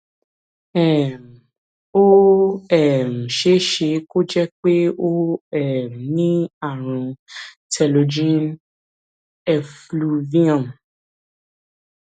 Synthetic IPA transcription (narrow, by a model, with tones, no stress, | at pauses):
ɛ˨m˨ | o˦ɛ˨m̩˨ʃe˨˦ʃe˧˦ko˦d͡ʒɛ˦k͡pe˦o˦ɛ˨m˨nĩ˦a˦˨ɾ̃ũ˧ | tʰɛ˧lo˧d͡ʒĩ˦n | ɛ˧flu˧vĩ˦ã˨